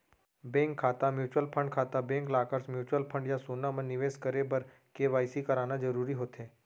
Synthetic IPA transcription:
bẽŋkʰːaːt̪amjuːt͡ʃwəlpʰə̃ɳɖkʰaːt̪abẽŋklaːkəɾsmjuːt͡ʃwəlpʰə̃ɳɖjasonamə̃nnːɪʋeːskəɾebəɾ | keʋaːjsikəɾaːnad͡ʒəɾuːɾiɦoːt̪ɦeː

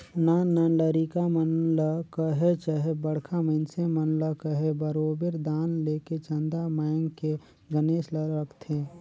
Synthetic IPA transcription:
nanɐləɾikamənləkəɦet͡ʃəɦebəɽ̤kʰaməɪnsemənləkəɦebəɾoːbeɾd̪aːnleːket͡ʃə̃nd̪amaːŋɡke | ɡəneːsləɾəkt̪ʰeː

